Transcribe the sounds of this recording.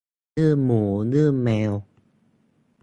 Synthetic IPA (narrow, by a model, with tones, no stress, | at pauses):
ɨ˥˩əmo˨˩˦nɨ˦˥˩əmɛ˧w